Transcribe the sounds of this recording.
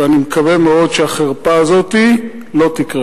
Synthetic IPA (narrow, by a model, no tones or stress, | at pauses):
eanimekavemeo̞d̪ʃeaχeʁpaːzo̞t̪i | lo̞t̪ikʁe